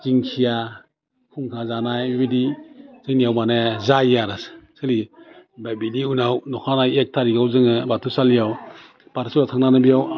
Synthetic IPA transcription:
ziŋkʰija | kʰuŋkʰazanajbidizɯŋnijawmanaazaijaɾassɯlibabiniunawnɔkʰanajek̚tʰaɾiɡawzɯŋɯbatʰusalijaw | paɾsuɾatʰaŋnanɯbijaw

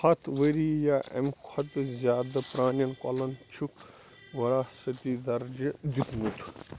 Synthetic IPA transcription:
hɐt̪ʰʋəɾijaːʔɐ̰mkʰɐt̪ɨzʲjaːd̪ɐpɾaːnjɐnkʷɔ̰lɐnt͡ʃʰuk | ʋɐɾaːsɐt̪id̪ɐɾd͡ʒid̪it̪mut̪ʰ

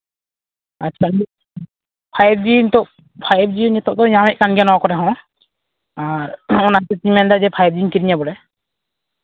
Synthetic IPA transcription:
at͡ʃʰakani | pʰajb̚d͡ʒint̪ɔʔ | pʰajb̚d͡ʒijnɛt̪ɔʔt̪ɔjamɛʔ̚kanɡijanɔwkɔɾɛɦɔ̃ | aɾɔnat̪ɛt̪iɲmɛnd̪ad͡ʒɛpʰajb̚d͡ʒinkiɾiɲabɔlɛ

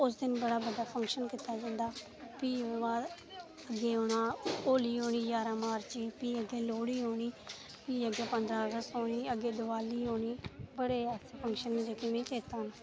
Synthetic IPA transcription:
ʊs̬d̪ɪnbəɽaːbəd̪aːpʰə̃ŋkʃənkɪt̪aːd͡ʒãːnd̪aː | piːʋaː | əɡeːɦoːnaːoːliːɦoːɳ̃iːd͡ʒaːɾaːmaːɾt͡ʃiːpiːəɡeːloːɽiːɦoːɽ̃iː | piːəɡeːpənd̪ɾaːəɡəst̪ɦoːɽiːəɡeːd̪ʊʋaːliːɦoːɳiːbəɽeːɛsepʰəŋkʃənd͡ʒəkɪʋẽːt͡ʃeːt̪aːn

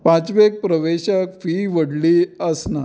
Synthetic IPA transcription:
pãt͡sʋek̚pɾəʋeɕəkfiʋəɽliəsna

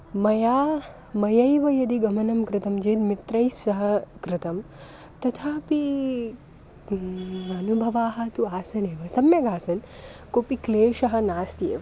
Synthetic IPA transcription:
mɐjaː | mɐjɐjʋɐjɐd̪iɡɐmɐnɐmkɾɪt̪ɐmd͡ʒeːd̪mit̪ɾɐjsɐɦɐkɾɪt̪ɐm | t̪ɐt̪ʰaːpi | ɐnubʱɐʋaːɦɐ̆t̪uaːsɐneːʋɐsɐmjɐɡaːsɐnkopikleːʃɐɦɐ̆naːst̪iḛːʋɐ

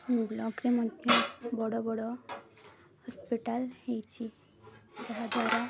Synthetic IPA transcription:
mĩblɔkɾemɔd̪ʱjɔbɔɽɔbɔɽɔ | hɔspiʈalhejt͡ʃʰi | d̪ɔɦad͡ʒaɾɔ

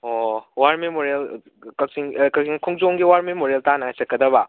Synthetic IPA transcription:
owaɾmemoɾel | kɐksiŋkɐsiŋkʰuŋzoŋɡiwaɾmemoɾeltanɐɦajsɐk̚kːɐdɐβɐ

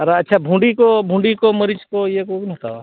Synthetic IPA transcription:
ɾaɐtːʃʰabʱũːɳɖikobʱũːɳɖikomɐɾit͡ʃkojekoknɐ̃t̪a̰wa

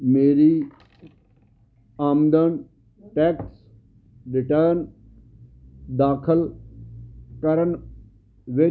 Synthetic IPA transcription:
meːɾiː | aːmd̪ən | ʈɛːks | ɾɪʈəɾn | d̪aːkʰəl | kəɾən | ʋɪ

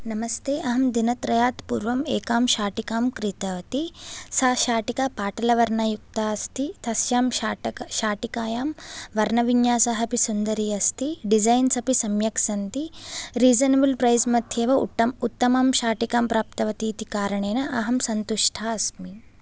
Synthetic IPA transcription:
nɐmɐst̪eːʔɐɦɐmd̪inɐt̪ɾɐjaːt̪puːɾʋɐmeːkaːmʃaːʈikaːmkɾit̪ɐʋɐt̪isaʃaːʈikapaːʈɐlɐʋɐɾɳɐjuk̚t̪aːɐst̪it̪ʰɐsjaːmːʃaːʈikaːjaːmʋɐɾnɐʋiɲjaːsaɦɐpisund̪ɐɾiːɐst̪iɖid͡ʒɐjnsɐpisɐmjɐksɐnt̪iɾiːd͡ʒɐnɐbulpɾɐjsmɐt̪jeːʋɐṵt̪ːɐmut̪ːɐmaːmʃaːʈikaːmpɾaːp̚t̪ɐʋɐt̪iːt̪ikaːɾɐɳeːnɐʔɐɦɐmsɐnt̪uʂʈʰaːɐsmi

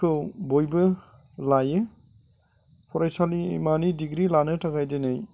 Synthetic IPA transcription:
kʰɯwbojbɯ | lajɯ | pʰɔɾajsalḭmanidiɡɾilanɯtʰaɡajdenaj

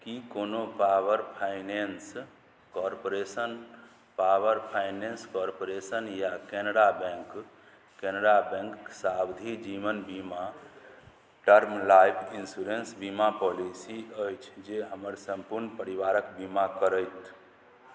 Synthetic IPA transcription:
kikonopaʋəɾpʰaɪnens | kɔɾpoɾesən | paʋəɾpʰajnenskɔɾpoɾesənjakenəɽabɛ̃ŋk | kenəɖabɛ̃ŋksabd̪ʱid͡ʒiʋənbima | ʈəɾmlajpʰinsuɾensbimapɔlisiəjt͡ʃʰd͡ʒeɦəməɾsəmpuɾnpəɾiʋaɾəkbimakəɾəjt̪

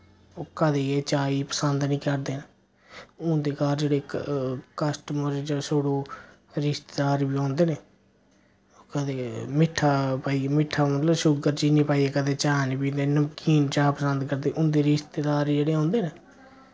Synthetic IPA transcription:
oːkəd̪eːeːt͡ʃaːiːpəsənd̪nĩːkəɾd̪eːn | ʊ̃d̪eːkaːɾd͡ʒeːɽeːkəsʈəməɾd͡ʒsoːɽoː | ɾɪst̪eːd̪aːɾbiːõːnd̪eːneː | okəd̪eːmɪʈʰːaːpaːiːmɪʈʰːaːmət̪ləbʃʊɡəɾd͡ʒiːniːpaːieːkəd̪eːt͡ʃaːniːpiːd̪eːnəmkiːnt͡ʃaːpəsənd̪kəɾd̪eːʔʊ̃nd̪eːɾɪst̪eːd̪aːɾid͡ʒeːɽeːõːnd̪eːneː

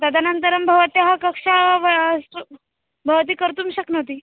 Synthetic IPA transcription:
d̪ad̪ʱanənt̪əɾəmbʱəʋt̪eɦakəkʂaʋs | bʱəʋt̪̬iːkəɾt̪uːmɕəknət̪iː

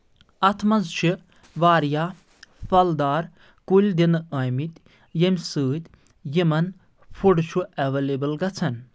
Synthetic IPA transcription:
ɐt̪ʰmɐnzʃʰi | ʋaːɾjaː | fɐld̪aːɾ | kulʲd̪inɐːjmit̪ʲ | jemʲsɨːt̪ʲ | jimɐn | pʰuɖʃuɛʋeːlebɐlɡɐt͡sʰɐn

